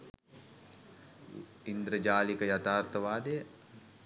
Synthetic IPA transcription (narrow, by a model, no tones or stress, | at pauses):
ind̪ɾəd͡ʒaːlikəjat̪aːɾt̪əʋaːd̪ejə